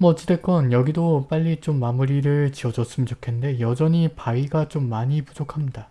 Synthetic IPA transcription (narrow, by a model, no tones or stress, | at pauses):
mʌt͡ɕ͈ide̞k͈ʌnjʌɡidop͈aʎːit͡ɕ͈omːamuɾiɾɯɭt͡ɕiʌd͡ʑʌs͈ɯmid͡ʑokʰe̞nnde̞jʌd͡ʑʌɲipaiɡat͡ɕ͈omːaɲipud͡ʑokʰamɲida